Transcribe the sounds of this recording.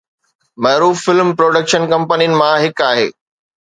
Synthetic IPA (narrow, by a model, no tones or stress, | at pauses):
mɐːɾuːfːɪlmpɾoːɖəkʃənkɐ̃mpəniənɪ̆mãɦɪkaːɦḛː